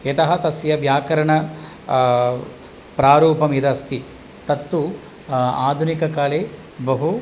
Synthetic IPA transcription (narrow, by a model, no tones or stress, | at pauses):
et̪ɐɦɐt̪ɐsjɐʋjaːkɐɾɐɳɐ | pɾaːɾuːpɐmid̪ɐst̪i | t̪ɐt̪ːu | aːd̪ʱunikɐkaːleː | bɐɦu